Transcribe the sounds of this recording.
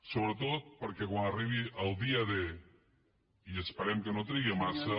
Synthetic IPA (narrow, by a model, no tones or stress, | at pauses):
soβɾət̪ot̪̚pəɾkɛkwanəriβ̞iʔəlˠd̪iəðe | iəspəɾɛmkənot̪ɾiɣimasə